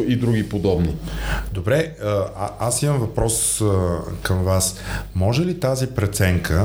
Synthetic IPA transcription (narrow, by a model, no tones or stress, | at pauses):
id̪ɾuɡipod̪ɔbnid̪obɾɛəasimɐmvɐpɾɔs | kəmvasmɔʒɛlit̪azipɾɛt̪sɛŋkʰə